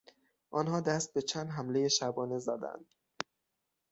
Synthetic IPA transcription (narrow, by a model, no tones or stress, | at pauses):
ʔɒːnhɒːd̪æst̪̚be̞t͡ʃʰænd̪ɦæmle̞jeʃæbɒːne̞zæd̪æ̰nd̪̥